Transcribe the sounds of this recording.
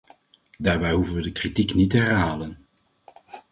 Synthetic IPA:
daːɹbɛjɦuvənʋədəkritiknitəɦɛrɦaːlən

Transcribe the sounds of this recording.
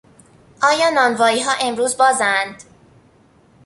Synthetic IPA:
ʔɒːjɒːnɒːnvɒːiːɦɒːʔe̞mɾuːzbɒːzænd̪̥

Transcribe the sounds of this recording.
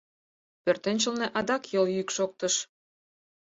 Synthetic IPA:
pørt̪ĕnʲt͡ɕə̆lneʔɑd̪ɑkjɤljykʃok̚t̪əʃ

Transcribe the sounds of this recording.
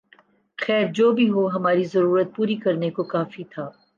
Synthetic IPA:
xɛːɾd͡ʒoːbʱiɦoɦɐmaːɾizɐɾuːɾət̪̚puːɾikɐɾnekokaːfit̪ʰaː

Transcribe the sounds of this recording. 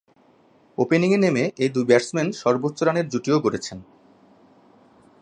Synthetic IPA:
openiŋenemeʔejd̪ujbɛɾsmenʃɔɾbotːɕoɾaneɾd͡ʑuʈioɡoɾet͡ɕʰen

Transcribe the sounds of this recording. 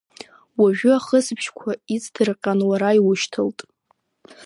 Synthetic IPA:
waʒᶣʊaχəsbʰʃkʷʰait͡sʰʼdʰɨrqʲʼanwaɾaiwʊʃtʰɨltʼ

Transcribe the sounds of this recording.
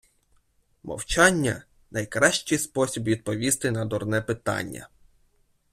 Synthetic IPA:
mɔ̰wt͡ʃɑnʲːɐ̰ | nɐjkɾɑʃt͡ʃɪjspɔsʲibʋʲid̪̚pɔʋʲist̪ɪnɐd̪ɔrnɛpɪt̪ɑ̰nʲːɐ̰

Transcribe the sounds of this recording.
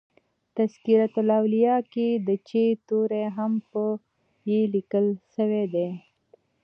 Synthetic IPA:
t̪askiɾat̪ʊlawlijɑked̪ət͡ʃet̪oɾeɦampə | jelikəlʃəwed̪e

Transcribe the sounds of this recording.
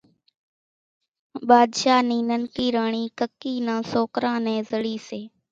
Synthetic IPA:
ɓaːd̪ʃaːniːnənkiːɾaːɳ̃iːkəkːiːnãːsoːkɾãːnẽːzəɽiːseː

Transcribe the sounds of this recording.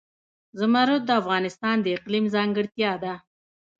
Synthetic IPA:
zʊmaɾut̪̚d̪əafɣɑnɪst̪ɑnd̪əɪqlimzɑŋɡəɽt̪jɑd̪a

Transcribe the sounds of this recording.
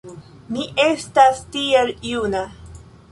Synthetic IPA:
miʔe̞stastieljuna

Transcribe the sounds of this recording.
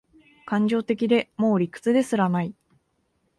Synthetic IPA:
kãɲ̟d͡ʑo̞ːt̪e̞k̬ʲid̪e̞mo̞ːɾʲikːɯ̥t͡sɨd̪e̞sɨɾanai

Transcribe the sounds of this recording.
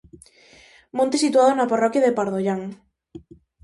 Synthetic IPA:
mõnt̪esit̪uaðonaparɔkjaðepaɾðoʎaŋ

